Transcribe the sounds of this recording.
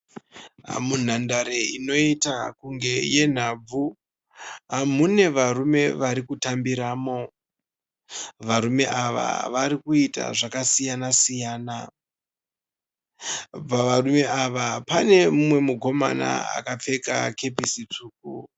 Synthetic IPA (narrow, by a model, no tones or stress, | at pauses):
mun̤andaɾeino̞itakuŋɡe̞je̞n̤ab͡vu | ɦamune̞ʋaɾume̞ʋaɾikutambiɾaːmo̞ | ʋaɾume̞ʔaʋa̰ʋaɾikuita̰ʐakasijanasijaːna | paʋarume̞aʋapane̞mumwe̞muko̞ma̰na̰a̰kap͡fe̞ka̰ke̞p̬isit͡ʂuːk̚u